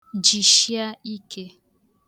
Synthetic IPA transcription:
d͡ʒi˨ʃja˦i˦ke˦

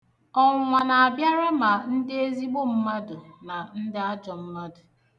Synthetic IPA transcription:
ɔ˦˨ŋʷa˨na˨a˨bja˦ɾa˦ma˨n̩˦dɪ˦e˦zi˦ɡ͡bo˦m̩˦ma˦dʊ˨na˨n̩˦dɪ˦a˦d͡ʒɔ˨m̩˦ma˦dʊ˨

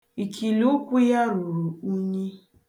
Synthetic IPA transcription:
i˨kʰi˨lu˦kʷu˦ja˦ɾu˨ɾu˨u˦ɲi˦

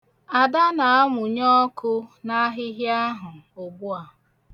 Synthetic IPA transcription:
a˨da˦na˨a˦mʊ˨ɲɔ˦kʊ˦na˦ɦɪ˦ɦja˦ɦʊ˨ʊ˨bu˦a˨

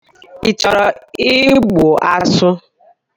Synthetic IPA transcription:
i˨t͡ʃɔ˨ɾɔ˨ɪ˦ɡ͡bo˨ʔa˦sʊ˦

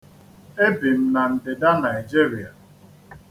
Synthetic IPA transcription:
e˦bi˨m̩˦na˨n̩˨dɪ˨da˦na˨i˨d͡ʒi˦ɾi˨a˨

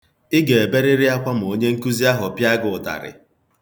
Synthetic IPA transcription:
ɪ˦ɡe˨e˨be˦ɾɪ˦ɾɪ˦a˦kʷa˦m̩˨o˦ɲe˦ŋ̩˦ku˦zi˦a˦ɦʊ˨pja˦ɡʊ˨ta̰˨ɾɪ̰˨

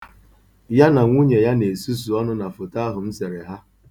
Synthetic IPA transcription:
ja˦na˨ŋʷu˦ɲe˨ja˦ne˨su˦s̬u˨ɔ˦nʊ˦na˨fʊ˨ta˦ɦʊ˨m̩˦se˨ɾe˨ɦa˦

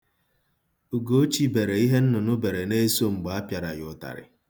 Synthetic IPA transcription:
u˨ɡo˦t͡ʃi˦be˨ɾe˨i˦ɦe˦n̩˦nʊ˨nʊ˦be˨ɾe˨ne˦so˦ŋ͡m̩˨ɡ͡ba˨a˦pja˨ɾa˨jʊ˨ta̰˨ɾɪ̰˨

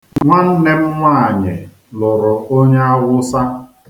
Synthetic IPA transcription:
ŋʷa˦n̩˦ne˦m̩˦ŋʷa˦a˨ɲɪ˨ | lʊ˨ɾʊ˨o˦ɲe˦a˦ɣʷʊ˦sa˦

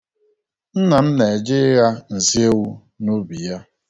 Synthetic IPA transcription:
n̩˦na˨m̩˦ne˨d͡ʒɪ˦ɣa˦n̩˨zi˦e˦wu˦ | no˦bi˨ja˦

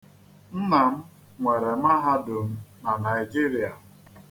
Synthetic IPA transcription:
n̩˦na˨m̩˦ | ŋʷe˨ɾe˨m̩˦a˦ɦa˦dʊ˨m̩˦na˨na˨i˨d͡ʒi˦ɾi˨a˨

